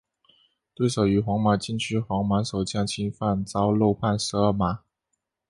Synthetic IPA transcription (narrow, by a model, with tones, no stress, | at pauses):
t̪we˥˩ɪsɤ˨˩ʊy˧˥xwɑ˧˥ŋma˨˥t͡ɕi˥˩nt͡ɕʰy˥xwɑ˧˥ŋma˧˥nʂo˨˩ʊt͡ɕjɑ˥˩ŋt͡ɕʰi˥nfa˥˧nt͡sɑ˥ʊlo˥˧ʊpʰa˥˩nʂ̩˧˥ə˞˥˩ma˨˥˦